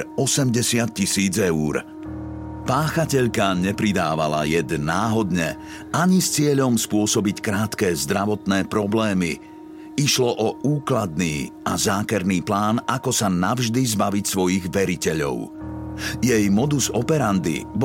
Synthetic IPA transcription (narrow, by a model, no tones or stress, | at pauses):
ɔsɛmɟɛsɪat̪̚cisiːd͡zɛuːɾ | paːxacɛʎkaɲɛpɾid̪aːʋa̰la̰jɛd̪naːɦɔd̪ɲɛ | aɲist͡sɪɛʎɔmspʊɔsɔbickɾaːt̪kɛːzd̪ɾaʋɔt̪nɛːpɾɔblɛːmi | iʃlɔʔɔuːklad̪̚niːa̰zaːkɛɾniːplaːnakɔsanavʒd̪izbaʋicsʋɔjiɣʋɛɾicɛʎɔ̰ʊ | jɛjmɔd̪uzɔpɛɾand̪ḭb